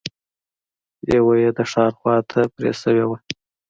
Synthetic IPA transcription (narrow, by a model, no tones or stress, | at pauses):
jewajed̪əʂɑɾxwɑt̪ʰapɾḛsəwewa